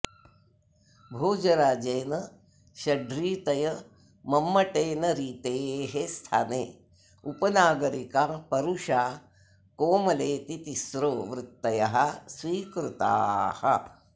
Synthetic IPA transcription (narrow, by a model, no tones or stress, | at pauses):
bʱoːd͡ʒɐɾaːd͡ʒeːnɐ | ʃɐɖɾiːt̪ɐjɐ | mɐmːɐʈeːnɐɾiːt̪eːɦest̪ʰa̰ːneː | upɐnaːɡɐɾikapɐɾuʃaː | koːmɐleːt̪it̪isɾoːʋɾɪt̪ːɐjɐɦɐsʋiːkɾut̪a̰ːhɐ̰